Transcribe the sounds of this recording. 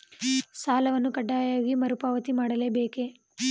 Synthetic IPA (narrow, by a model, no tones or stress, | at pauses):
saːlɐʋɐnːukɐɖːaːjaːɡimɐɾupaːʋɐt̪imaːɽɐleːbeːke